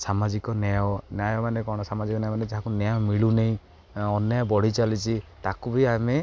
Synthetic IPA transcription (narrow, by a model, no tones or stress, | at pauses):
samad͡ʒikɔnajwɔnjajɔmanekɔɽ̃ɔsamad͡ʒikɔnjajmaned͡ʒaɦãkunjaɔmiɭuneĩ | ɔnjabɔɽ̤it͡ʃalit͡ʃʰit̪akubiame